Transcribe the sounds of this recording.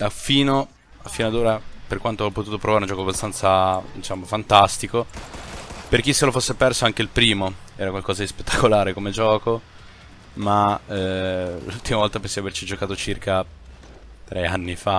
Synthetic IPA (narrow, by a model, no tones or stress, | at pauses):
d̪̥afiːno | afːiːnoad̪oːɾaperkwant̪oaɔpːot̪uːt̪opɾovaɾeund͡ʒɔːkoabːast̪ant̪sad̪it͡ʃamofant̪ast̪iko | perk̟isːelofosːepɛrsoaŋk̟eilpɾiːmoɛːɾakwalkɔːzad̪ispet̪ːakolaːɾekomed͡ʒɔːko | maɛlult̪imavɔlt̪apensiavert͡ʃid͡ʒokaːt̪ot͡ʃirka | t̪ɾɛanːifa